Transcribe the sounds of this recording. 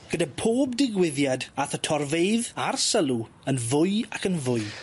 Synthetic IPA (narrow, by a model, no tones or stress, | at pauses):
ɡ̥ədapʰoːbdɪɡwɪðjadaθətʰɔrveɨðarsəlˠu | ənvʊɨakənvʊɨ